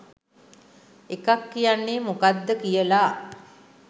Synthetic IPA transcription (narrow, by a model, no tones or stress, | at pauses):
ekakːijanːemokad̪ːəkijəla